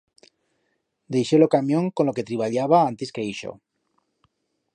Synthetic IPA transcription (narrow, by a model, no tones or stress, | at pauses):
d̪e̞jʃolokamjõŋkonloke̞t̪ɾiβ̞aʎaβ̞aãnt̪eskeiʃo̰